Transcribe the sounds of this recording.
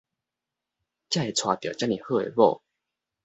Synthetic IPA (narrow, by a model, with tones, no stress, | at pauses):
t͡ɕja˥˨e˨˩t͡sʰwa˨˧˩t̪jɔ˨˩t͡ɕja˥nĩ˨˩hɤ˥˧˨ḛ˨˩bɔ˥˨